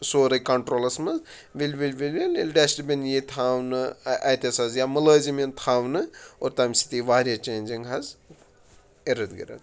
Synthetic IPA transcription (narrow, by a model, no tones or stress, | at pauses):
soːɾɐkɐɳʈɾoːlɐsmɐz | ʋilʲʋilʲʋilʲʋililʲɖesʈibʲinjit̪ʰaːʋnɨʔɐjt̪esɐzjamɐləːzimint̪ʰaːʋnɨoːɾt̪ɐmʲsi̥t̪iʋaːɾijɐt͡ʃeːnʲd͡ʒiŋɡɦɐz | eɾɐd̪ɡḭɾɐ̰t̪̚